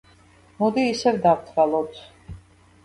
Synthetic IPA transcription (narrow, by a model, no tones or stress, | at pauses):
mud̪iːsɛvd̪apt̪ʰvalˠɔt̪ʰ